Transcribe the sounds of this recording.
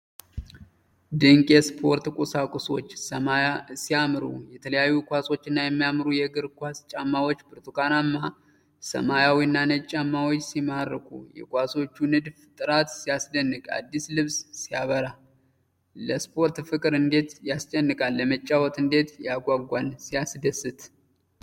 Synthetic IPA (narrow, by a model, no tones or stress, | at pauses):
d̪ɨŋkʼjɛspʰo̞ɾt̪kʼusakʼʊso̞̰t͡ʃːsəmajasijamɨɾṵjɛt̪ʰələjajːukʷaso̞t͡ʃːɪnːajɛmːijamɨɾujɛɡɨɾkʷast͡ʃʼamːawo̞t͡ʃːbɨɾt̪ukanamːa | sə̰majawinːanət͡ʃʼːamːawot͡ʃːsimaɾːɨkʰṵjɛ̰kʷʼaso̞t͡ʃːunɨd̪ft̪ʼɨɾat̪sijasd̪ənːɨkʼa̰d̪ːislɨβssijaβəɾa | ləspʰo̞ɾt̪fɨkʼɨɾɨnd̪e̞t̪jast͡ʃʼɛnːɨkʼalːəmət͡ʃʼːawɔt̪ɨnd̪e̞t̪jaɡʷaɡʷansijasd̪əsɨt̪